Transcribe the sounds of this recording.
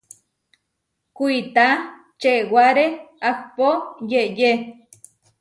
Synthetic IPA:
kuit̪a | t͡ʃeʔwaɾeakpojeʔje

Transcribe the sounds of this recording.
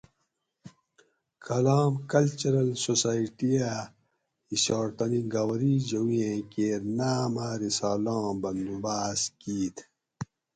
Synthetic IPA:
kʰɐlaːmkɐlt͡ɕɐɾɐlsosaːiʈija | iɕaːɾt̪ɐniɡawɐɾid͡ʑɐwiẽkeːɾnaːmaːɾisaːlãːbɐnd̪ubaːskiːt̪ʰ

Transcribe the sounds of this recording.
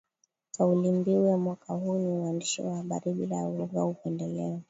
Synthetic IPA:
kaulimbiwɛmwakahuːniwandiʃḭwahaɓa̰ɾiɓilajauwɔɡaukɛndɛlɛɔ

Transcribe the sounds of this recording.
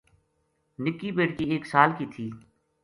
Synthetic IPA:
nɪkːiːbeːʈkiːeːksaːlkiːt̪ʰiː

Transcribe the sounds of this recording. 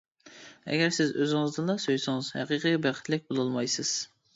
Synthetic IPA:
ɛ̰ɡʲɛɾsɪzøzɪŋɨzd̪ɨnlˠɑsøjsɪŋɨzhæ̰qiqʰibæqʰɪ̥t̪ʰlɪk̚ʲbolˠulˠmɑjsɪz̥

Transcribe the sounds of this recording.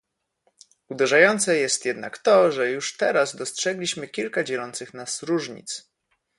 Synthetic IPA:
ud̪ɛʐajɔnt̪sɛjɛst̪jɛd̪na̰kt̪ɔʐɛjuʂt̪ɛɾazd̪ɔstʂɛɡlʲiɕmɘkʲilkad͡ʑɛlɔnt̪sɘxnasɾuʐɲḭt̪s

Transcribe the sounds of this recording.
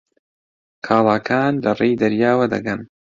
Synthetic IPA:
kʰaːlˠaːkʰaːnlɐrejd̪ɐɾjaːwɐd̪ɐ̰ɡɐn

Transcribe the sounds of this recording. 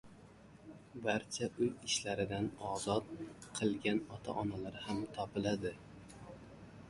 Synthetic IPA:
baɾt͡ʃʰaʔʊjɪʃlaɾɪd̪anɒzɒt̪̚qʰɨlˠɡʲanɒt̪ʰa̰ʔɒnalaɾɪhamt̪ʰɒpɪlad̪ɪ

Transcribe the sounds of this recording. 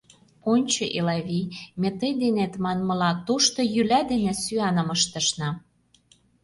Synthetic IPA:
onʲt͡ɕɤ̆ʔelɑβimʲet̪əjd̪enet̪mɑnmɤ̆lɑt̪oʃt̪ŏjylæd̪enĕsyɑnə̆məʃt̪ə̆ʃnɑ

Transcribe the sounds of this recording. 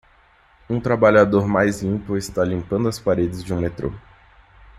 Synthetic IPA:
ũt̪ɾabaʎad̪oɾmajzlĩpʊɪst̪alĩmpɐ̃nd̪ʊɐspaɾed͡ʒɪzd͡ʒɪũmet̪ɾo̰

